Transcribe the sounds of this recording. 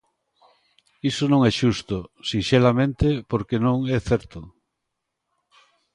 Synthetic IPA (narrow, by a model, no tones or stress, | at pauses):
isonõŋɛʃust̪ʊsinʃelamẽnt̪epoɾkenõŋɛθɛɾt̪ʊ